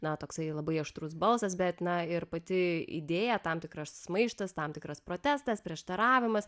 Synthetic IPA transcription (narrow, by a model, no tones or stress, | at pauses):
nɐt̪oːksɐɪlˠɐbɐɪɐʃt̪ɾusbɐlˠsɐsbʲɛt̪nɐɪɾpɐt̪ʲɪḭd̪ʲeːjɛt̪ɑmt̪ʲɪkɾɐsmɐɪʃt̪ɐst̪ɐmtʲɪkɾɐspɾoːt̪ʲæst̪ɐspʲɾʲiɛʃt̪ɐɾɑːʋʲɪmɐs